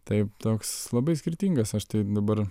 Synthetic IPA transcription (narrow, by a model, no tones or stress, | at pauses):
t̪ɐɪpt̪oːkslˠɐbɐɪsʲkʲɪɾʲt̪ʲiːŋɡɐsɐʃt̪ɐɪd̪ɐbɐɾ